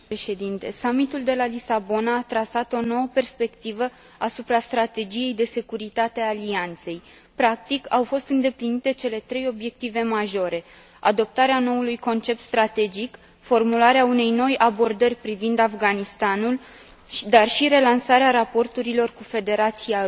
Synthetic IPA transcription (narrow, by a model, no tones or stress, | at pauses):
eʃe̞d̪int̪e̞samit̪uld̪e̞lalisabo̞naːt̪ɾasat̪o̞no̞wəpe̞rspe̞kt̪ivə | asupɾast̪ɾat̪e̞d͡ʒije̞jd̪e̞se̞kuɾit̪at̪ealiant̪se̞j | pɾak̚t̪ikawfo̞st̪ɨnd̪e̞plinit̪e̞t͡ʃe̞le̞t̪ɾe̞jo̞bje̞k̚t̪ive̞maʒo̞ɾʔe̞ | a̰d̪o̞p̚t̪aɾeano̞ulujko̞nt͡ʃe̞p̚t̪st̪ɾat̪e̞d͡ʒik | fo̞rmulaɾeaune̞jno̞jabo̞rd̪ərʲpɾivind̪afɡanist̪anul | d̪arʃiɾe̞lansaɾeaɾapo̞rt̪uɾilo̞rkufe̞d̪e̞ɾat̪sija